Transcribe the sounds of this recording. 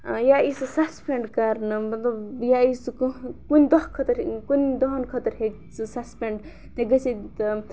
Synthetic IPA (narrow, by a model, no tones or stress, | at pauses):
jaisɨsaspeɳɖkaɾnɐmɐt̪lɐbjaiskkund̪ɐɦkʰət̪ɐɾkund̪ɔɦɐnkʰɐt̪ɐɾɦe | sɨsaspeɳɖ | t̪eɡɐsit̪